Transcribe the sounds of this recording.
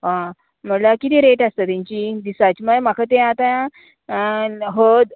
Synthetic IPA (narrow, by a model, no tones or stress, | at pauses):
ʋã | m̤əɽlakit̪ĩːɾeʈast̪ət̪ãɲt͡ɕid̪isat͡ɕməm̤akʰat̪̬ẽat̪ajã | ɦəd̪